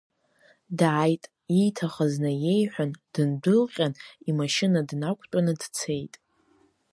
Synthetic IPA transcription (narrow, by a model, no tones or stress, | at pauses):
dajtʼ | ijtʰaχəznɨje̞jħʷᶣand̥ɨndɨlqʲʼanimaʃɪnadnakʷʼʰt͡pʷʼanɨdt͡sʰe̞jtʼ